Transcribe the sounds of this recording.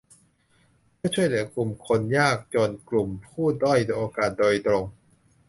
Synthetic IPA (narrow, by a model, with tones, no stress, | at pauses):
pɯ˥˩ɐt͡ɕʰu˥˩əjlɯː˨˩˦ɐəklu˨˩mkʰo˧njaː˥˩k̚t͡ɕoː˧nklu˨˩mpʰuː˥˩dɔ˥˩jnɤ˧ʔoː˧kaː˨˩t̪̚doː˧jt̪ɾo˧ŋ